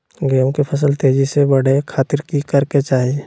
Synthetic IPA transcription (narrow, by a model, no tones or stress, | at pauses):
ɡeːõkepʰɐs̬əlt̪eːd͡ʒisebɐɽ̤ekʰaːt̪ɪɾkikɐɾket͡ʃaːɦie